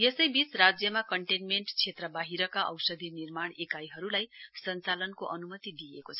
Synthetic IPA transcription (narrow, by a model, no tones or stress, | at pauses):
jesʌjbit͡srad͡zjʌmakʌɳʈenmeɳʈt͡sʰet̪rʌbaɦiɾʌkaʔʌwsʌd̪ʱinirmaɽ̃ekajɦʌɾulajsʌnt͡salʌnkoʔʌnumʌt̪id̪iekot͡sʰ